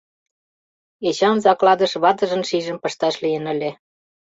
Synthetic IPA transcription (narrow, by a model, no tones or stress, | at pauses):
et͡ɕɑnzɑklɑd̪ə̆ʃβɑt̪ə̆ʒə̆nʃiʒə̆mpə̆ʃt̪ɑʃlijə̆nə̆lʲĕ